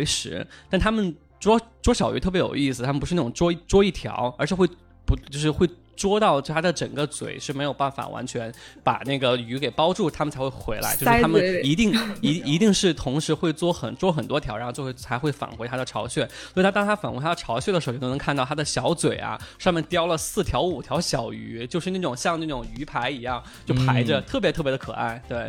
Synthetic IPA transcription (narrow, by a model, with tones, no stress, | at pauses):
e˧˥ɪʂɻ̩̰˧˥t̪a˥˩nt̪ʰa˥mə˨n | ʈ͡ʂwɔ˥ʈ͡ʂwɔ˥ɕjɑ˨˩ɥ̰t̪ʰɤ˥˩p̬jjo̰˨˩ʊi˥˩s̬ɹ̩˨t̪ʰa˥mə˨˩pu˧˥ɻ̩˥˧n˥˩ʊ˨˩ŋʈ͡ʂwɔ˥˩ʈ͡ʂwɔ˥i˥˩t̪ʰjɑ̰˧˥ʊə˞˧˥ʂɻ̩˥˧xwe˥˩ɪ | pu˧˥t͡ɕjo˥˧ʂɻ̩˧xwe˥˩ɪ | ʈ͡ʂwɔ˥t̪ɑ˥˩ʊt̪ʰa˥d̪ə˨ʈ͡ʂə˨˩ŋɡə˦t͡swḛ˨˩ɪʂɻ̩˥˩me˧˥ɪjo˨˩ʊpa˥˩nfa̰˨˩wa̰˧˥nt͡ɕʰɥɛ˧˥npa̰˨˩ne˥˩ɡə˩y˧˥ke˨˩ɪpɑ˥ʊʈ͡ʂu˥˩t̪ʰa˥mə˨nt͡sʰa˧˥ɪxwe˥˩xwe˧˥ɪla̰˧˥ɪt͡ɕo˥˧˥a˥mə˨i˧˥t̪i˥˩ŋi˧˥i˧˥t̪i˥˧ŋʂɻ̩˥˩t̪ʰʊ˧˥ŋʂɻ̩˧˥xwe˥˧ɪt͡swɔ˥˩xə̰˨˩nt͡swɔ˥xə˨˩nt̪wɔ˥t̪ʰjɑ˧˥ʊɻt͡ɕwwt͡sʰa˧˥xwe˥˩ɪfa̰˨˩nxwɪa˥d̪ə˨ʈ͡ʂʰɑ̰˧˥ʊɕɥɛ˥˩swt̪ʰa˥t̪ɑ˥ŋ˥t̪ʰa˥fa˨˩nxe˧˥ɪtʰa˥ə˨ʈ͡ʂʰɑ˧˥ʊɕɥɛ˥˩də˩ʂ̩˧˥˧n˧˥kʰnɑ˥˩t̪ʰa˥d̪ə˨ɕjɑ˧˥ʊt͡swe˨˩ɪɐ̰˦ʂɑ˥˧mjɛ˥˩nt̪jɑ˥ʊlə˨sɹ̩˥˩t̪ʰjɑ˧˥ʊu˨˩t̪ʰjɑ˧˥ʊɕjɑ˨˩ʊy˧˥t͡ɕjo˥˧ʊʂɻ̩˥˧n˥˩ʈ͡ʂʊ˨˩ŋɕjɑ˥˧ŋ˧a˥˩ʈ͡ʂʊ˨˩ŋy˧˥pʰa˧˥ɪi˧˥jɑ˥˩ŋ | t͡ɕjo˥˩ʊpʰa˧˥ɪʈ͡ʂə˧t̪ʰɤ˥˩p̬jɛ˧˥t̪ʰɤ˥˩p̬jɛ˧˥ə˧kʰɤ̰˨˩a̰˥˩ɪt̪we˥˩ɪ